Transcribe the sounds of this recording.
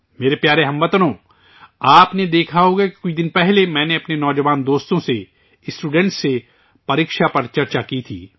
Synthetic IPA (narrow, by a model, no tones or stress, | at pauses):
meːɾepjaːɾeɦɐ̃mʋɐt̪nõː | aːpned̪eːkʰaɦoːɡeki̥kʊt͡ʃʰd̪ɪnpɛɦlemɛ̃ːneɐpnenɔːd͡ʒəʋaːnd̪oːst̪õse | ɪsʈuːɖɛ̃ɳʈse | pɐɾiːkʃapɐɾt͡ʃɐɾt͡ʃakit̪ʰḭː